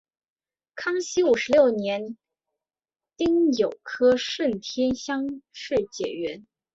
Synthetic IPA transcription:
kʰɑ˥ŋɕi˥u˨˩ʂɻ̩˧˥ljo˥˩ʊnjɛ˧˥n | t̪i˥ŋjo˨˩ʊkʰɤ˥ʂə˥˩nt̪ʰjɛ˥nɕjɑ˥ŋʂɻ̩˥˩t͡ɕjɛ˨˩ɥɛ˧˥n

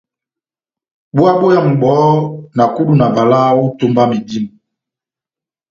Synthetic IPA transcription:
ɓu˦a˦ɓo˦ja˨ŋ̩˨ɡ͡bɔ˨˦na˨ku˦du˨na˨va˨la˦wo˦to˦mba˦mi˨di˦mu˨

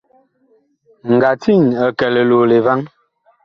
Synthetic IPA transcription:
ŋ̩˨ɡa˨ti˦˨ɲə˨kɛ˨le˨lo˨le˨va˦ŋ

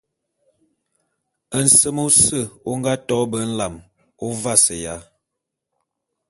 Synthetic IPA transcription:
ə˨n̩˨sə˦mo˦sə˦˨o˦ŋ˦ɡa˦tɔ˦bə˨˦n̩˦la˨m | o˦va˦sə˨ja˦

